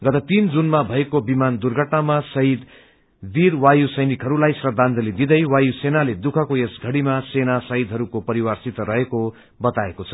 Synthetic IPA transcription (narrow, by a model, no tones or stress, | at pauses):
ɡʌt̪ʌt̪ind͡zunmabʱʌekobimand̪urɡʱʌʈnamasʌɦid̪ | birwajusʌjnikɦʌɾulajsrʌd̪ʱand̪ʌlid̪id̪ʌjwajusenaled̪ukʰʌkoesɡʱʌɽimasenasʌɦid̪ɦʌɾukopʌɾiwarsit̪ɾʌɦeko | bʌt̪aekot͡sʰʌ̥